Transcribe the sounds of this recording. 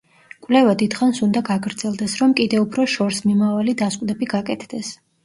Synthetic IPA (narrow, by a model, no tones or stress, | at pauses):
kʼwlɛvad̪id̪̥χansund̪aɡaɡɾd̪z̥ɛlˠd̪ɛsɾɔmkʼid̪ɛupʰɾɔʃɔɾsmimavalid̪asqʼd̪ɛbiɡakʼɛt̪ʰd̪ɛs